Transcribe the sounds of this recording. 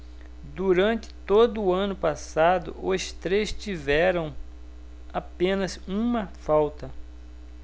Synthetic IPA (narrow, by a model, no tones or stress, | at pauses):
d̪uɾɐ̃nt͡ʃɪ̥t̪od̪ʊːɐ̃nʊpasad̪ʊ̰ʔʊst̪ɾest͡ʃivɛɾɐ̃w̃ | apẽnɐzũmɐfawt̪ɐ